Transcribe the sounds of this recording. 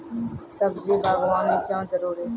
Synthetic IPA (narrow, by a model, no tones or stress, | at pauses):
səbd͡ʒeːbʱaːɡʋãːneːkjãːd͡ʒəɾuːɾeː